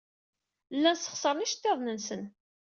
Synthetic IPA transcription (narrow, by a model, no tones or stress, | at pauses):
lːænsə̥χsˤəɾˤniʃt̪ːeðˤnənsən